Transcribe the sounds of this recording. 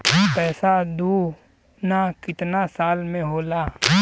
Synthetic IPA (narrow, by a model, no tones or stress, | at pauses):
pɛːsad̪uː | nakɪt̪nasaːlmẽɦoːlaː